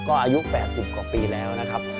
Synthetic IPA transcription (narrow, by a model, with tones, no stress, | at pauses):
kɔː˥˩ʔaː˧ju˦˥ʔpɛː˨˩t̪̚si˨˩p̚kwa˨˩piː˧lɛː˦˥wna˦˥kʰa˦˥p̚